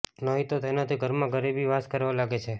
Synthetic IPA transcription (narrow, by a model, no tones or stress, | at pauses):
nɔɦit̪ot̪enat̪ʰiɡʱəɾmãɡəɾibiʋaskəɾʋalaɡet͡ʃʰe